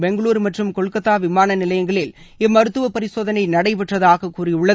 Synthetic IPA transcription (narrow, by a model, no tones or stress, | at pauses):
bɛŋɡɐɭuːɾmɐʈrɯmkɔɭkːɐt̪ːaːʋɪmaːnɐnɪlɐjɐŋɡɐɭɪl | ɪmːɐɾɯt̪ːɯʋɐpɐɾɪsoːðɐnɐɪnɐɽɐɪpɛʈrɐðaːɣɐkːuːrɪʊɭːɐ